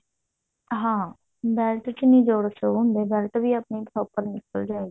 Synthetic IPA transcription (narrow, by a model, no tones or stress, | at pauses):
ɦãː | bɛːlʈt͡ʃnĩːd͡ʒoːɽsəũnd̪ebɛːlʈbʱiːəpniːb̪ʰɔːpəɾnɪkəld͡ʒaːeɡi